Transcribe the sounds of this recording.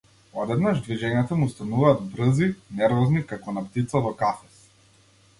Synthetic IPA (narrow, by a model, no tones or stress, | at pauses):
ɔd̪ɛd̪naʒd̪viʒɛɲat̪amust̪anuvaːd̪bɾɤzinɛɾvɔznikakɔnapt̪it̪savɔkafɛs